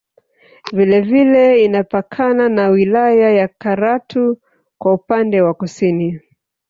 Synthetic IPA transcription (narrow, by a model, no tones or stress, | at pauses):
vilɛvilɛinapakʰananawilajajakaɾatu | kwaupandɛwakusini